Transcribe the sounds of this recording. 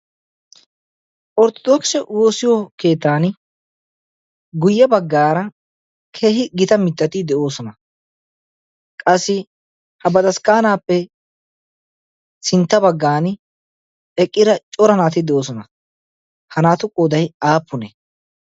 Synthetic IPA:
ʔɔɾt̪ɔd̪ɔksɛwo̞ːsɪjɔke̞ːt̪ːaːn | ɡʊjːɐbɐɡːaːɾɐ | kʰeːɦɪɡɪt̪ɐmɪt̪ːɐt̪ɪd̪ɛʔo̞ːsɔnɐ | kʼɐsːɪ | hɐbɐd̪ɐskaːnaːpːɛ | sɪnt̪ːɐbɐɡːaːn | ɛkʼːɪɾɐt͡ʃʼɔɾɐnaːt̪ɪd̪ɛʔo̞ːsɔnɐ | hɐnaːt̪ʊkʼːoːd̪ɐjaːpːʊnɛ

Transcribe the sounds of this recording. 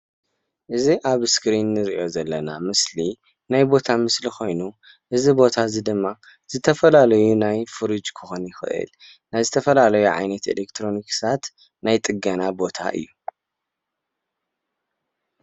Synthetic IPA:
ʔɨziʔaβskɾinːɨɾiʔo̞zɐlːɐna̰mɨsli | najbo̞t̪ʰamɨslixo̞jnu | ʔɨzibo̞t̪ʰazid̪ɨmːa | z̥ɨt̪ʰɐfɐlalɐjunajfɨɾɨd͡ʒkʰɨxonjɪxɨ̰ʔɨ̰l | najzɨt̪ʰɐfɐlalɐjuʕa̰jnɐt̪ḛlekt̪ʰɾo̞niksat̪ | najt̪ʼɨɡɐnabo̞t̪ʰa̰ʔɨ̰jːu

